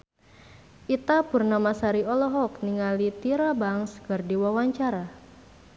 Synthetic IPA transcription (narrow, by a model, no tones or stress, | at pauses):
ʔit̪apurnamasaɾiɔlɔɦɔk̚niŋalit̪iɾabaŋskɨrdiwawaɲt͡ʃaɾa